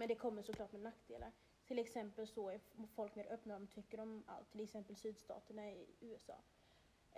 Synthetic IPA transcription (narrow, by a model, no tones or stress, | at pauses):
mɛnd̪ɛkʰɔmːəʂɔkʰlɑːʈmɛnakt̪d̪ḛːlʔa̰ɾ | t̪ʰɪlɛksɛmpəlsɔæɾfɔlkmeːɾʔœpnaɾɔmt̪ʰʏkːəɾɔma̰lt̪ʰːɪlɛksɛmpəlsyːd̪st̪ɑ̰ːt̪əɳaɪʉ̟ːɛsɑ̰ː